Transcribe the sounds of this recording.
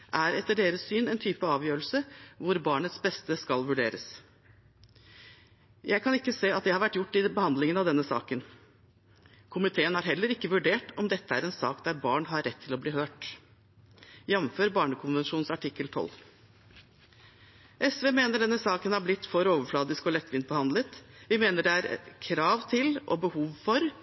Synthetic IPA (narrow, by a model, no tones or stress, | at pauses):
ʔæɾɛt̪ːəɖeːɾəssyːnɛnt̪ʰyːpəɑːʋjøːɾl̩səʋʊɾbɑːɳət̪sbɛst̪əskɑlʋʉɖeːɾəs | jʔæɪkʰɑnɪkːəseːɑt̪̚d̪ɛhɑɾʋæʈːjʊʈːɪbəhɑnd̪lɪŋənɑʋd̪ɛnːəsɑ̰ːkən | kʰʊmɪt̪ʰeːənhɑɾɦɛlːəɾɪkːəʋʉɖeːʈɔmd̪ɛt̪ːəæɾɛnsɑ̰ːkd̪æɾbɑːɳɦɑɾːɛt̪ʰːɪlɔbliːhøːʈ | jɛʋnføːɾbɑːɳəkʰʊnʋɛnʂuːnsɑʈʰɪkːəlt̪ʰɔ̰lː | ʔɛsʋeːmeːnəɖɛnːəsɑːkənhɑɾblɪt̪ːfɔɾoːʋəɾflɑːd̪ɪskɔlɛt̪ːʋɪnt̪̚bəhɑnd̪lət̪ʋɪmeːnəɖɛæɾkʰɾɑːʋt̪ʰɪlʔɔ̰bəhuːʋfɔɾ